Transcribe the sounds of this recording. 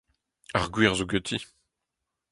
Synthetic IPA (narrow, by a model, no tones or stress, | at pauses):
aʁɡwiʁzoɡøt̪ʰi